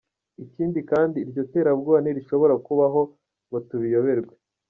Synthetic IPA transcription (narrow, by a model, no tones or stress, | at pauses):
iciːndikaːndiːɾɟo̞te̞ːɾabɡaːniɾiʃoβo̞ɾakuβaɦo̞ | βotuβijo̞βe̞ɾɡwe